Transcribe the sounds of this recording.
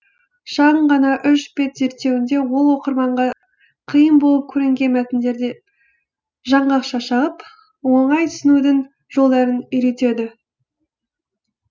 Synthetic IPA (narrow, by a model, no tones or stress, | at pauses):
ʃɑʁəɴʁɑnɑʔʏʃbe̞t̪z̥e̞ɾt̪ːe̞wɪnd̪e̞wo̞lˠwo̞qəɾmɑɴʁɑ | qʰijəmbo̞lˠəp̚kʲʰɵɾɪŋɡʲe̞nmæt̪ɪnd̪e̞ɾd̪e | ʒɑɴʁɑqʃɑʃɑʁəp | wo̞ɴɑjt̪ʰʏ̥sɪnud̪ɪŋ | ʒ̥o̞lˠd̪ɑɾənʏjɾe̞t̪e̞d̪ɪ